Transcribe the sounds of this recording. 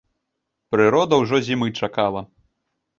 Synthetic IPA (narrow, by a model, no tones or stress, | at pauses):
pɾɨɾɔd̪ɐwʐɔzʲimɨt͡ʂakalˠɐ